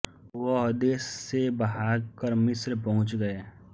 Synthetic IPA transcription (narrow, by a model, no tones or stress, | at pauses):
ʋɔɦd̪esːebɐɦaːɡkəɾmɪsɾpɐɦʊ̃t͡ʃɡɐeː